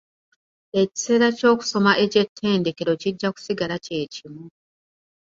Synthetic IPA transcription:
e̞ci̥se̞ːɾaco̞ːku̥so̞maʔe̞ce̞tʰːe̞ːnde̞ke̞ɾo̞ciɟːaku̥siɡalace̞ːcimu

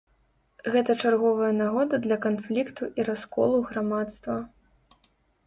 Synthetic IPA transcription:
ɣɛt̪ɐt͡ʂarɣɔvɐjɐnaɣɔd̪ɐd̪lʲɐkanflʲikt̪uʔiɾaskɔ̰lˠuɣɾamat̪st̪vɐ

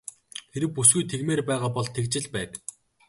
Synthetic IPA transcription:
xeɾɘ̆wpusɡujt̪ʰeɣmeːrpæːʁaːpɔɮt̪ʰekt͡ɕɪ̆ɮpæːk

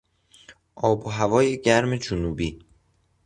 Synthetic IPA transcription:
ʔɒːboɦævɒːjeɟæɾme̞d͡ʒonuːbiː

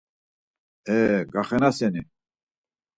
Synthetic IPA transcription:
ɛɡaχɛnasɛni

